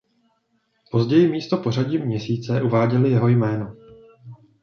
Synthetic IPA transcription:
po̞zɟɛjɪmiːst̪o̞po̞r̝aɟiːmɲɛsiːt͡sɛʔuvaːɟɛlɪjɛɦo̞jmɛːno̞

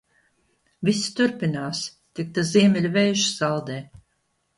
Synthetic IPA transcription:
vʲist̪uɾpinaːs | t̪ik̚t̪aziɛmʲɛlʲuvɛjʃi̥zalˠd̪ɛː

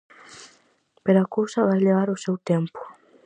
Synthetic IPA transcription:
peɾakowsɐβajleβ̞aɾʊsewt̪ɛmpʊ̥

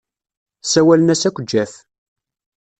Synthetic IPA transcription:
sæwælənæsækʷːəd͡ʒːæθ

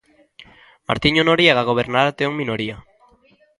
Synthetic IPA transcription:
ma̰ɾt̪iɲonoɾieɣaɣ̞oβ̞eɾnaɾat̪eoŋminoɾia

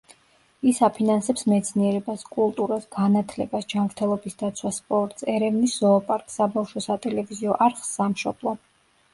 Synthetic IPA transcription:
isapʰinansɛpsmɛt̪sʰniɛɾɛbaskʼulˠt̪ʼuɾasɡanat̪ʰlɛbasd͡ʒamɾt̪ʰɛlˠɔbisd̪at̪sʰwaspʼɔɾt̪ʼsɛɾɛvnisz̥ɔːpʼaɾkʼsabafʃɔsat̪ʼɛlɛviziɔʔaɾχsːamʃɔb̥lˠɔ

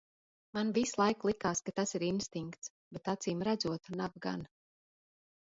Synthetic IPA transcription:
manvislˠajklˠikaːskat̪asiɾinst̪iŋkt̪s | bɛt̪at̪siːmɾad̪zuɔt̪unab̚ɡa̰n

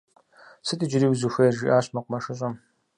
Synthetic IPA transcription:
sɨtʼɨd͡ʒɪɾiːwzuxʷɐjʒḭːʔaːɕmɐqʷmɐʂɨɕ̬ʼɐm

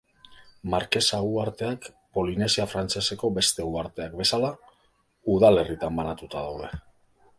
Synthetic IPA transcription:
maɾke̞saɣuaɾt̪e̞ak | po̞line̞siafɾant͡ʃe̞se̞ko̞be̞st̪e̞ɣuaɾt̪e̞akbe̞sala | uðale̞rit̪ambanat̪ut̪aðawð̞e̞

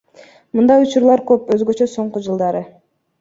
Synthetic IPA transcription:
mɯnd̪ɑjut͡ʃuɾlˠɑɾkøpø̞zɡøt͡ʃø̞so̞ɴqud͡ʒɯlˠd̪ɑɾɯ

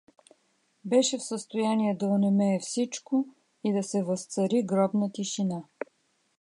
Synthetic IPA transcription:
bɛʃɛfsəst̪ojaniɛd̪ɐʊnɛmɛːfsit͡ʃkʊ | id̪ɐsɛvɐst̪sɐɾiɡɾɔbnət̪iʃina

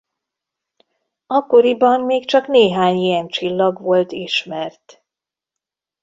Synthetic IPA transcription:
ɒkːo̞ɾibɒmmeːkt͡ʃɒkneːɦaːɲijɛnt͡ʃilːɒɡʋo̞lt̪iʃmɛrt̪

